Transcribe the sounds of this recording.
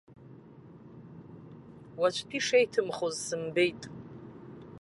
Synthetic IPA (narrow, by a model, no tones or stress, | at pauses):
wat͡ʃʷʰpʰiʂejtʰɨmχozsɨmbe̞jtʼ